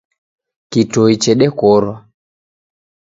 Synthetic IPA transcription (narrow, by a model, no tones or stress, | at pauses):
kitɔit͡ʃɛɗɛkɔɾwa